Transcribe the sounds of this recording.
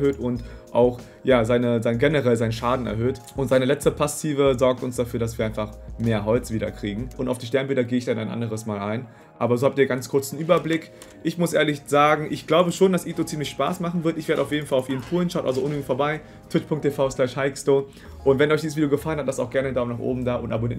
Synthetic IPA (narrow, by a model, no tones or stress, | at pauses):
høːtʊntʔaʊx | jaːzaɪnəzaɪnəɡɛnəʁɛlzaɪnʃaːdn̩ɛ̰ɐɦøːtʔʊntz̥aɪnəlɛt͡stəpʰasiːvəzɔɐk̚tʊnsd̥afyːɐdas̬viɐaɪfaχmeːɐɦɔlt͡sv̥iːdɐ̰kʁ̥iːɡŋ̩ʔʊntaʊfd̥iːʃ̬tɛɐnbɪldɐɡeːəɪçd̥anaɪnʔa̰ndəʁəsmaːla̰ɪn | ʔa̰ːbɐzoːhap̚tiːɐɡant͡skʰʊɐt͡sn̩ʔyːbɐblɪk | ʔɪçmʊsʔḛːɐlɪçz̥aːɡŋ̩ʔɪçɡ̥laʊbəʃoːndasʔiːtot͡siːmlɪçʃpa̰ːsmaχn̩vɪɐtɪçveːɐɾəaʊfjeːdn̩falaʊfʔiːnnpʰuːlənʃaʊtʔa̰lzoʊnyɡŋ̩tfoɐbaɪ | tʰɪtpʰʊŋktʰefaʊslɛʃhaɪkstoː | ʔʊntv̥ɛnɔʏçd̥iːzəsviːdjoɡəfalənhatlastaʊxɡ̥ɛɐnədaʊmnaːχʔo̰ːbm̩daːʔʊntʔa̰boniːɐ